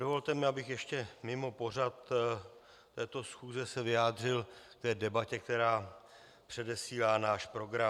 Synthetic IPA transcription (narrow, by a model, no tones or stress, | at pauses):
dovo̞lt̪ɛmɪabɪxjɛʃcɛmɪmo̞po̞r̝at̪ | t̪ɛːt̪o̞sxuːzɛsɛvɪjaːd̪r̝ɪlkt̪ɛːdɛbacɛk̚t̪ɛɾaː | pr̝̥ɛdɛsiːlaːnaːʃpɾo̞ɡɾa